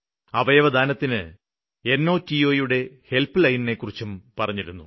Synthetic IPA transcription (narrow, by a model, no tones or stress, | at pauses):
ɐʋɐjɐʋɐd̪ʱaːnɐt̪ːinɨ | e̞nːo̞ːtio̞ːjuɽe̞he̞lpɨlɐjnne̞kːurit͡ɕːumpɐrɐɲːiɾunːṵ